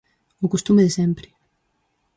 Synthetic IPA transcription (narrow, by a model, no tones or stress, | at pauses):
ʊkost̪umeðesɛmpɾɪ̥